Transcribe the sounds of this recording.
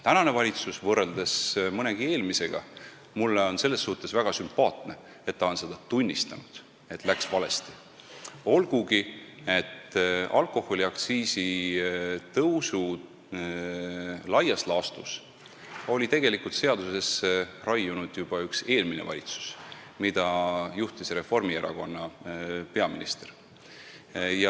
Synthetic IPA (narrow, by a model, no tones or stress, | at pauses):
t̪ænɑne̞vɑlʲit̪susvɤrːe̞ld̪̥esmɤne̞ɡ̥ie̞ːlmise̞ɡ̥ɑ̰ | mulːeo̞nse̞lːe̞sːuht̪ːˑe̞svæɡ̥ɑsympɑːt̪ne̞ | e̞t̪ːɑo̞nse̞d̪̥ɑt̪unʲːist̪ɑnud̪̥ | e̞t̪ːˑlæksvɑle̞̰st̪i̥ | o̞lɡ̥uɡ̥ie̞t̪ːɑ̰lko̞ho̞lʲiɑkt̪siːsi | t̪ɤwsu | lɑjɑslɑːst̪us | o̞lʲit̪e̞ɡ̥e̞likult̪se̞ɑd̪̥use̞srɑjːunud̪̥jub̥ɑykse̞ːlmine̞̰vɑ̰lʲit̪su̥s | mid̪̥ɑjuht̪isre̞fo̞rmieɾɑ̰ko̞nːɑpe̞ɑmḭnist̪e̞r | jɑ